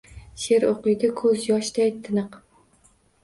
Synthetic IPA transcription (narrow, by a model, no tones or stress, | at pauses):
ʃeɾoqʊjɡ̪ʲakʰɵzjɒʃt̪ajt̪ʰɨnɨq